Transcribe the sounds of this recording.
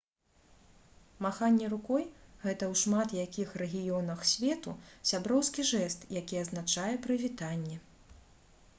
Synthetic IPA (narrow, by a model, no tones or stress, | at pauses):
maxanʲːɛɾukɔjɣɛt̪ɐwʂmat̪jakʲixrɛɣʲijɔnɐxsʲvʲɛt̪usʲabɾɔwskʲiʐɛst̪jakʲiɐznat͡ʂajɛpɾɨvʲit̪anʲːɛ